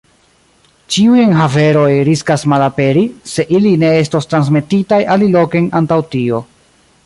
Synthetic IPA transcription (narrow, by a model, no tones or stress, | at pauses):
t͡ʃiujenɦave̞ɾo̞jɾiskasmalape̞ɾise̞ʔiline̞e̞stostɾans̬me̞titajʔalilo̞ke̞jnantawtio̞